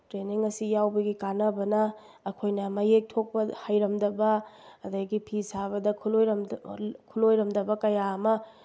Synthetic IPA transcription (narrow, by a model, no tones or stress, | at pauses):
tɾeniŋɐsijawbɐɡikanɐbɐnɐː | kʰojnɐmɐjek̚tʰok̚pɐhajɾɐmdɐbɐ | ɐdɐɡipʰisaβɐdɐkʰuloj | kʰulojɾɐmdɐbɐkɐjamɐ